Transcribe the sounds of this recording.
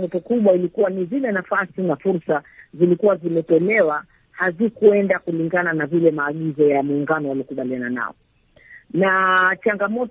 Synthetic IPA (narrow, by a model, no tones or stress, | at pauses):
ɔtɔkuɓwailikuwanizilɛnafasinafuɾsazilikuwazimɛtɔlɛwa | hazikuɛndakuliŋɡananavilɛmaːɠizɔjamuːŋɡanɔwaliɔkuɓalianana̰ɔ | nat͡ʃaŋɡamɔt